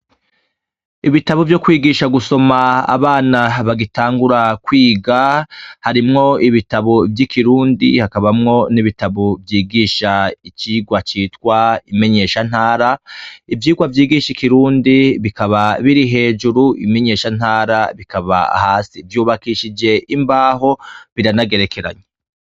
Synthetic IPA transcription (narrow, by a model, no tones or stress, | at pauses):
iβitaβovjo̞kwiːɡiːʃaɡuso̞ma̰ːβaːnaβaɡitaːŋɡuɾakwiːɡahaɾimŋo̞iβitaβo̞vjikʰiɾuːndḭhakaβamŋo̞niβitaβovjiːɡiːʃait͡ʃiɡwat͡ʃiːtkwaime̞ɲe̞ʃan̥haːɾaivjiːɡwavjiːɡiʃikiɾuːndiβikaβaβiɾiɦe̞ːd͡ʒuɾuḭme̞ɲe̞ːʃan̥haːɾaβikaβa̰haːsivjuːβakiʃid͡ʒe̞ʔimbaːɦo̞βiɾanaɡe̞ɾe̞ke̞ɾa̰ɲe